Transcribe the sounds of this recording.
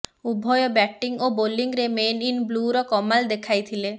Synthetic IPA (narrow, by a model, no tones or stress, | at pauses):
ubʱɔjɔbɛʈiŋoboliŋɾemeninbluɾɔkɔmald̪ekʰajt̪ʰile